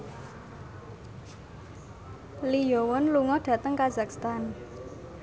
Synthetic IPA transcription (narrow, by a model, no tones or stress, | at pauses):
lijɔwɔnluŋɔɖ̥ä̤t̪əŋkazakst̪an